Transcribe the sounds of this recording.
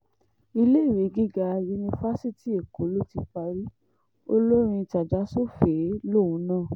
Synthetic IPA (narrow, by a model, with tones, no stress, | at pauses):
i˧le˦i˦˨ɾe˨˦ɡi˦ɡa˧ju˧nĩ˧fa˦si˦˨ti˦e˨ko˨˦lo˦ti˧k͡pa˧ɾi˦ | o˦lo˦ɾ̃ĩ˧ta˨d͡ʒa˨˦so˦˨fe˨˦lo˦˨ũ˨˦nãː˦˨